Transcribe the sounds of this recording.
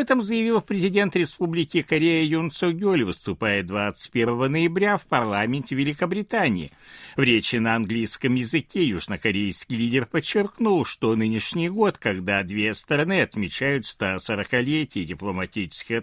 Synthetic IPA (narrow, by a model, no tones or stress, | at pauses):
ɐbɛt̪əmzəjɪvʲilˠpɾʲɪzʲɪdʲe̞nt̪ɾʲɪspublʲɪkʲɪkɐɾʲejəjonsəɡʲolʲvɨst̪ʊpajɪt̪̚d̪vat̪sɨ̥tʲpʲe̞rvəvənəjɪbɾʲafpɐrlˠamʲɪnʲtʲɪvʲɪlʲɪkəbɾʲɪt̪anʲɪ̰ɪ̰ | vɾʲet͡ɕɪnəɐnɡlʲijskəmjɪzɨkʲejuʐnəkɐɾʲejskʲijlʲidʲɪrpət͡ɕːɪrknulˠʂt̪o̞nɨnʲɪʂnʲɪjɡo̞t̪kɐɡd̪ad̪vʲest̪ɾɐnɨɐt̪mʲɪt͡ɕæjʊt̪st̪asəɾəkɐlʲetʲɪjɪdʲɪplˠəmɐtʲit͡ɕɪ̥skʲɪx